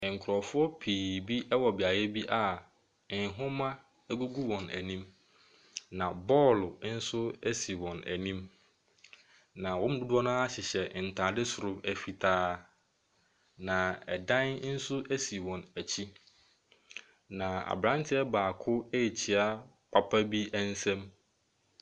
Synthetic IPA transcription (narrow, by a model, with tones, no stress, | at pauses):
ŋ̩˨kʰɾɔ˨fʊ˦ɔ˦pʰiː˨bi˦ʔɛ˦wɔ˨bɪ˨a˨jɛ˦bi˦ʔa˨˦ | ɦʊ̃˦mã˦ | æ˦ɡu˦ɡu˦wɔ̃˨næ˨nĩ˦m | nã˨bɔː˦˨lʊ˨˦n̩˦sʊ˦æ˦si˨wɔ̃˨næ̰˨nĩ˦m | nã˨wɔ̃˦m̩˦du˦dʊ˦ɔ˦nʊ̃˦a˦ɕɪ˨ɕɛ˨n̩˨tʰaː˨dɪ˦sʊ˨ɾʊ˦æ˨fi˨tʰaː˦ | nã˨ɛ̰˨dã˦n˦n̩˦sʊ˦ʔæ˦si˨wɔ̃˨næ˨t͡ɕʰi˦ | nã˨a̰˨bɾã˦ntʰɪ˦ɛ˦baː˨kʰʊ˦e˦ji˨t͡ɕʰi˨a˦ | pʰa˨pʰa˦bi˦ɛ˦n̩˦sɛ̃˦m